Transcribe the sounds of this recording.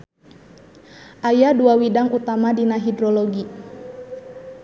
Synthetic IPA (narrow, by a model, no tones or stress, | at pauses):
ʔajaduawidaŋut̪amadinaɦidɾɔlɔɡi